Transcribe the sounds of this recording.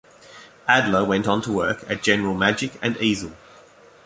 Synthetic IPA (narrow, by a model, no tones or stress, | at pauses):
adˡləwɛ̃ntntʰəwɜˑkʰəʔ̚d̥ʒ̥ɛnəɹəlˠmad͡ʒɪkə̃niːzəlˠ